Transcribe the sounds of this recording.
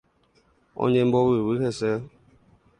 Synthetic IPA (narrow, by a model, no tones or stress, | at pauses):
o̰ɲem̩bɔwiwiɦese